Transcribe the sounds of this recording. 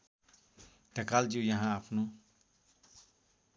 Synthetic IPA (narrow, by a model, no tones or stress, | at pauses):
t̪akald͡ʒijãɦãapʰnũ